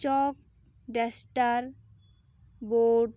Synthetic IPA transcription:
t͡ʃɔk̚ | ɖesʈaɾ | boɖ

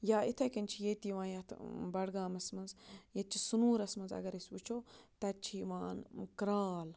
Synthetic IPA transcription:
jaːit̪ʰɐkɐnʲt͡ʃʰijet̪iʋãːnjɐt̪ʰbɐɽɡaːmɐsmɐnzjɐt͡ʃʰisunuːɾɐsmɐnzɐ̰ɡɐɾɐsʲut͡ʃʰoːt̪ɐt͡ʃʰiʋaːnkɾaːl

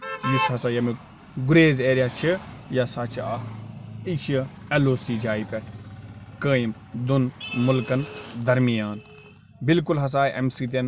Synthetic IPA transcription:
jusɦɐsajɐmi | ɡuɾeːzeːɾjaːt͡ʃʰijasaːt͡ʃʰia | it͡ʃʰiɐloːsiːd͡ʒaːipe | kəːjim | d̪unmulkɐnd̪ɐɾmijaːn | bilkulɦɐs̬aːjʔɐ̰msit̪̬en

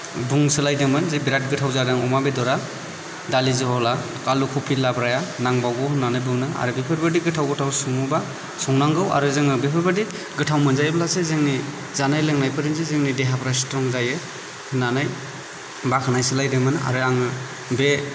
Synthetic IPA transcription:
buŋsɯlajdɯmɯnzibiɾat̚ɡɯtʰawzadaŋɔmabedɔɾa | dalizɯɦɔla | kalukʰɔpʰilːabɾajanaŋbawɡɯwhɯnːanɯjbɯŋnɯa̰ɾɯbepʰɯɾbɯdiɡɯtʰawɡɯtʰawsɔŋuba | sɔŋnaŋɡɯwa̰ɾɯzɯŋɯbepʰɯɾbɯdi | ɡɯtʰawmɯnzajbalasezeŋni | zanajleŋnajpʰɯɾinzɯzeŋnideɦapʰɾasi̥tɾɔŋzajɯ | hɯnanaj | bakʰanajsɯlajdɯmɯna̰ɾɯaŋɯ | be

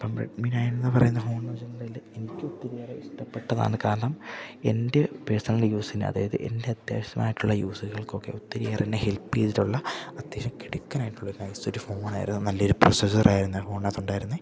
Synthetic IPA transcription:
pɐmrḛɖmiːnaːjnenːɨpɐrɐ̰junːɐfo̞ːɳːɐːd͡ʑɐnːlailːeenikʲːot̪ːiɾijaːreiʂʈɐpːe̞ʈːɐða̰ːnɨkaːɾɐɳɐme̞ndepe̞ːsɐŋːɐɭjuːsinːɨ̰ɐ̰ða̰ːjɐðɨ̰ʔe̞̰nde̞ɐd̪ja̰ːɕɐma̰ːjiʈːuɭːɐjuːsɐɾuɣɐɭko̞kːe̞̰ot̪ːiɾijaːrenːehe̞lpːetiɾuɭːɐɐd̪jeːɕɐmkiɽukːɐnaːjʈːuɭːɐoɾnɐjsoɾufo̞ːnaːjḭɾunːunɐlːɐo̞ɾuprosesɐrʔaːjiɾunːɐfo̞ːɳɐt̪ːuɳɖaːjiɾunːɨ

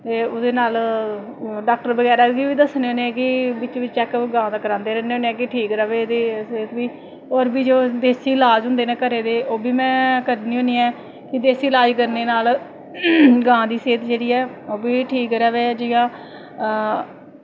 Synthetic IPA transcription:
t̪eːʊd̪eːnaːl | ɖaːk̚ʈəɾbəɡɛːɾaːkiːʋiːd̪əsneːoːneːɛːkɪbɪt͡ʃʋɪt͡ʃt͡ʃɛːkɡãːd̪aːkəɾãːnd̪eːɾɛneːõːneːɛːkɪʈʰiːkɾɛːʋeːd̪eːseːt̪biː | ɔːɾbiːd͡ʒoːd̪eːsiːlaːd͡ʒɦʊ̃nd̪eːnẽːkəɾeːd̪eːʔoːbiːmɛ̃ːkəɾniːɦõːniːɛː | kɪd̪eːsiːlaːd͡ʒkəɾneːnaːl | ɡãːd̪iːseːt̪d͡ʒeːɽiːɛːoːbiːʈʰiːkɾɛːʋeːd͡ʒɪjãː

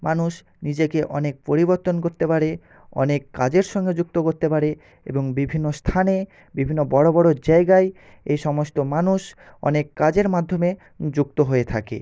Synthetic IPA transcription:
manuʃ | nid͡ʑekeʔɔnek̚poɾiboɾt̪onkoɾt̪epaɽe | ɔ̰nekːad͡ʑeɾʃɔŋɡed͡ʑuk̚t̪okoɾt̪epaɾe | ḛboŋbibʱinːost̪ʰane | bibʱinːobɔɽobɔɽod͡ʑaeɡae | ejʃɔmost̪omanuʃ | ɔ̰nekːad͡ʑeɾmad̪ʱːome | d͡ʑuk̚t̪oɦoet̪ʰa̰kḛ

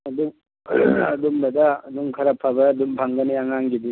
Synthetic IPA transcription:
ɐdum | ɐd̪umbad̪aːdumkʰɐɾapʰːabaːd̪umbʱaŋɡɐniaŋaŋɡid̪i

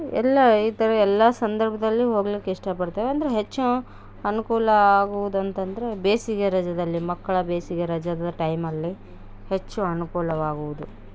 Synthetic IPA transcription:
ɛ̰lːɐiːt̪ɐɾɐɛlːɐsɐnd̪ɐɾbʱɐd̪ɐlːiɦoːɡɐlikːeiʂʈɐpɐɽt̪ɐːʋeɐnd̪ɐɾeɦet͡ʃːu | ɐnukuːlɐaːɡuʋud̪uɐnt̪ɐnd̪ɐɾe̞beːsiɡeɾɐd͡ʒɐd̪ɐlːimɐkːɐɭɐbeːsiɡeɾɐd͡ʒɐd̪ɐʈɐjmɐlːi | het͡ʃːuɐnukuːlɐʋaːɡuʋud̪u

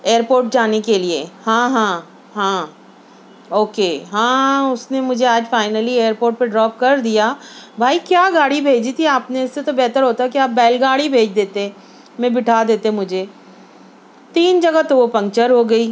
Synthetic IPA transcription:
eːəɾpoːɾʈ̚d͡ʒaːnekeliehãːɦãː | ɦãː | oːkeːɦãːʊsnemʊd͡ʒʱeaːd͡ʒfaːɪnəlieːəɾpoːɾʈ̚peɖɾɔːp̚kɐɾd̪ijaːbʱaːikjaːɡaːɽibʱeːd͡ʒit̪ʰiaːpneɪsːet̪obɛɦt̪əɾɦoːt̪aɦɛkiaːp̚bɛːlɡaːɽibʱeːd͡ʒd̪eːt̪eɛ̃ | mɛ̃bɪʈʰaːd̪eːt̪eɦɛ̃mʊd͡ʒʱe | t̪iːnd͡ʒɐɡat̪oʋopɐ̃ŋkt͡ʃəɾɦoɡɐiː

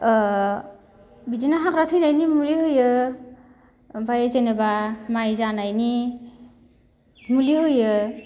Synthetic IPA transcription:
bidinaɦakɾat̪ʰɯjnajnimuliɦɯjɯ | bajzenebamajzanajni | muliɦɯjɯ

